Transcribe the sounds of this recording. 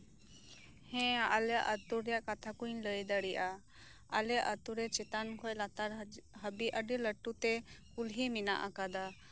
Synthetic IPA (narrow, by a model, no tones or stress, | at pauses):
hɛ̃aʔalɛjaʔət̪uɾɛjaʔkat̪ʰakuɲləjd̪əɽiʔa | alɛjaʔət̪uɾɛt͡ʃɛt̪ankʰɔjˀlat̪aɾɦəbiʔəɖiləʈːut̪ɛkulɦimina̰ʔakad̪a